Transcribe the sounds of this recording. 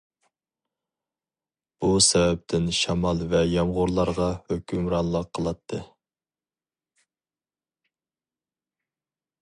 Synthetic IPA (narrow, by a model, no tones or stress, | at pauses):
b̥usɛvɛp̚t̪ʰɪnʃɑmɑlˠvɛjɑmʁʊɾlˠɑɾʁɑhøkʲʰymɾɑnlˠəqʰːəlˠɑt̪ʰːɨ